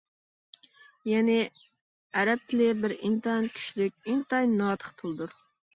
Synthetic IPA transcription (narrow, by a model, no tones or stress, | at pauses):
jɛnɪ | æɾɛp̚t̪ʰɪlɪbɪɾint̪ɑɑnkʲʰy̥ʃlɪk̚ʲint̪ɑjnɑːt̪ʰə̥χt̪ʰɨlˠd̪uɾ